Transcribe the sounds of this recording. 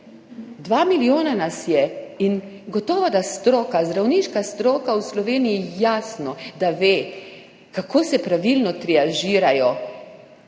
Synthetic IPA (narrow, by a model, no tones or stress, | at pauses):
d̪ʋaːmilijoːnanasjɛin | ɡɔt̪ɔːʋad̪ast̪ɾɔːkazd̪ɾawniːʃkast̪ɾoːkawslɔʋeːnijijaːsnɔd̪aʋeː | kakʰoːsɛpɾaʋilnɔt̪ɾɛaʒiːɾajɔ